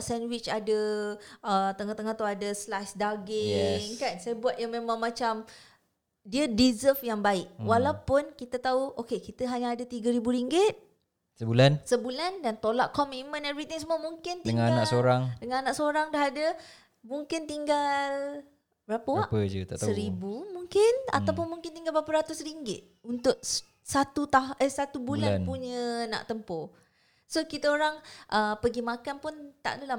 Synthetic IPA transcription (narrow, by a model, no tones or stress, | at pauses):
ʔsɛnwɪt͡ʃadə | ət̪əŋaht̪əŋaht̪ɔadəslajsdaɡɪɛŋkansajəbuat̪̚jaŋmemãŋmat͡ʃam | diədizəfjaŋbaɪʔ̚walawpʊnkit̪at̪auʔokekit̪əɦaɲaːdat̪iɡəɾibuɾiŋɡɪt̪̚ | səbulansəbulandant̪olaʔkɔmit̚mə̃nɛvɾit̪ɪŋs̬əmuəmuŋkɪntd̪əŋaanaʔsoɾaŋdəŋãnanãʔsoɾaŋdaɦadə | muŋkɪnt̪iŋɡal | bɾapəaʔpəd͡ʒət̪a̰ʔsəɾibumuŋkɪna̰t̪awp̬ʊnmuŋkɪnt̪iŋɡalbɾapəɾat̪ʊsɾiŋɡɪ̰t̪̚unt̪ʊʔ̚ | sat̪ut̪aɦʔəsat̪ubulannpuɲəna̰ʔt̪əmpɔ | sokit̪əoɾaŋʔəpəɡimakanpʊnt̪a̰ʔdala